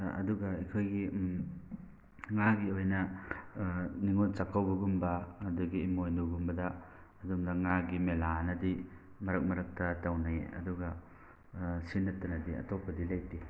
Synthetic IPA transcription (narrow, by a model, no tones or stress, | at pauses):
ɐ̰duɡaikʰojɡim | ŋaɡiojnɐ | niŋont͡ʃakʰawbɐɡumbɐːduɡiːmojnuɡumbɐdɐː | dumdɐŋaɡimelanɐdi | mɐɾɐk̚mɐɾɐk̚tɐtawnaj̰ɐ̰duɡɐ | sinːɐtːɐnɐdiɐ̰topʰːɐdilajti